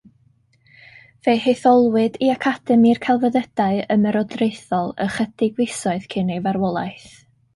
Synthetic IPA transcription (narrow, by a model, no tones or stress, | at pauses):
v̥ejheθɔlˠwɨdiakʰad̥ɛmirkʰalˠvəðəd̥aɨəmɛɾɔdrejθɔlˠə̰χəd̥ɪɡwɪsɔɨðkʰɪnejvaɾwɔlˠa̰jθ